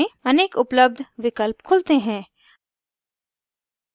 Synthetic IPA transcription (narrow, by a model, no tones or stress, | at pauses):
ẽɐneːkʊpləb̚d̪ʱʋɪkəlpkʰʊlt̪eɦɛ̃ː